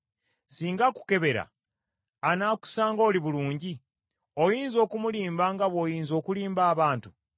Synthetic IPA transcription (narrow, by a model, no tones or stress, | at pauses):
siːŋɡaku̥ke̞βe̞ɾa̰ | anaku̥saːŋɡo̞ːliβuluːɲɟi | o̞jiːnzo̞ːkumuliːmbaŋɡaβo̞jiːnzo̞ːkuliːmbaːβaːntu